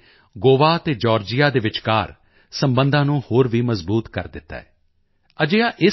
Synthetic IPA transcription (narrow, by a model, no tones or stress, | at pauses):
ɡoːʋaːət̪eːd͡ʒɔːɾd͡ʒɪjaːd̪eːʋɪt͡ʃka̰ːɾ | səmbə̃nd̪ãːnũːhoːɾʋiːməzbuːt̪kə̰ɾd̪ɪt̪ːa̰ːɛː | əd͡ʒejaːʔɪ